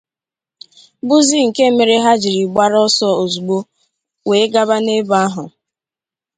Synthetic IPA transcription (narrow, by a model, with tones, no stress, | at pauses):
bʊ˦zi˦ŋ̩˨ke˦me˨ɾe˦ɦa˦d͡ʒi˨ɾi˨ɡ͡ba˦ɾɔ˦sɔ˦o˨zu˨ɡ͡bo˦ | we˨˦ɡa˦ba˦ne˦ba˦ɦʊ˨